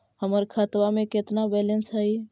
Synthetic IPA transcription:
həməɾkʰət̪ʋamẽket̪nabɛlənsɦəi

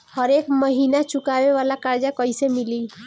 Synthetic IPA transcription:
hɔɾekmɔɦinat͡ʃukabebalakaɾd͡ʒakɔjsemili

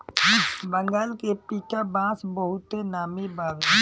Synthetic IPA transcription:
bə̃ŋɡaːlkepiːkabãːsbəɦʊt̪enaːmibaːɡ

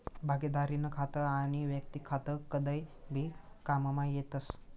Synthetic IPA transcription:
bʱaɡid̪aɾinəkʰat̪əañiʋjək̚t̪ikʰat̪əkəd̪əjbʱi | kammajet̪əs

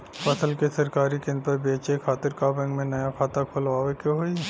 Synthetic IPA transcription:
pɐsəlkesɐɾkaːɾikɪ̃nt̪əbeːt͡ʃekʰaːt̪ɪɾkabɛ̃ŋɡmẽnɐjakʰaːt̪akʰolʋaːʋekjoɦoːi

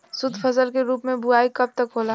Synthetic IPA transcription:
sʊd̪ʱpʰɐsəlkeɾuːpmẽbʱʊaːikɐb̚t̪əkɦoːla

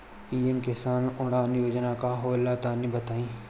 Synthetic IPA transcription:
piːemkɪsaːnʊɽ̃aːnjoːd͡ʒnakaɦoːlːaːt̪aːnibɐt̪aːĩː

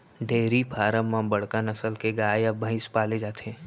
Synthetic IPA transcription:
ɖʱeːɾipʰaːɾəmãbɐɽ̤kanɐsəlkeɡaːeɐbʱə̃ɪ̃spaːled͡ʒaːt̪eɛ̃ː

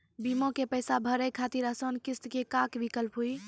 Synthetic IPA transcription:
bimõkepəjsabʱəɾəjkʰat̪iɾəsənkist̪kekakʋikəlpɦuj

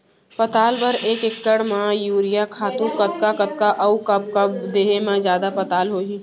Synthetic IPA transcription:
pɐt̪aːlpɐɾeːkɪkːəɽmãjuːɾɪjakʰaːt̪ũkɐt̪̚kakɐt̪̚kaʔɐukɐb̚kɐb̚d̪eːɦemãd͡ʒjaːd̪apɐt̪aːlɦoːɡiː

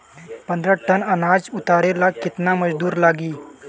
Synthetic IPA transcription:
pɐ̃nd̪ɾəʈənɐnaːd͡ʒʊt̪aːɾelakɪt̪namɐd͡ʒd̪uːɾlaːɡiː

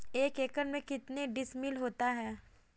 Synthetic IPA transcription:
eːkeːkəɾmẽkɪt̪neɖɪsmɪlɦoːt̪aɦɛː

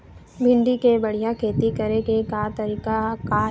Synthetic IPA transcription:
bʱɪ̃ɳɖikebɐɽ̤ijakʰeːt̪ikɐɾekekat̪ɐɾiːkakaː

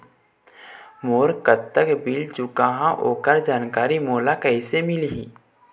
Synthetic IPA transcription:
moːɾkət̪ːəkbɪlt͡ʃʊkaɦãʔo̰ːkəɾd͡ʒaːnkaːɾimoːlakəɪsemɪlɦiː

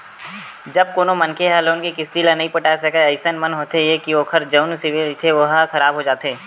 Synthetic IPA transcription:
d͡ʒɐb̚koːnomɐnkeɦɛːloːnkekɪst̪ilanɐɦĩpɐʈaːsɐkəəɪsənmɐnɦoːt̪ejekioːkʰəɾd͡ʒəʊnsiʋet̪ʰeʋɐɦkɐɾaːbɦod͡ʒaːt̪eː

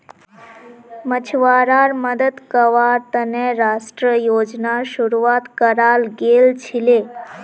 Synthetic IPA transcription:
mət͡ɕʰʋaɾaɾməd̪əd̪kəʋaɾt̪əneɾaʂʈɾəjod͡ʑnaʃuɾuʋat̪kəɾalɡelt͡ɕʰile

